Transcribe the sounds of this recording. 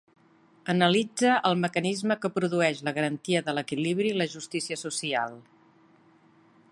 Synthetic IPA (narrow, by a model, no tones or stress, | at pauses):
ənəlid͡zəʔəlˠməkənizməkəpɾuðuɛʃləɣəɾənt̪iəðələkiliβɾiləʒust̪isiəsusia̰lˠ